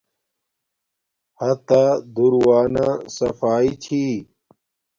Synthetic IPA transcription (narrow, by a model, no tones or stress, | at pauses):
hɐt̪ad̪uɾwaːnasɐfaːit͡ɕʰiː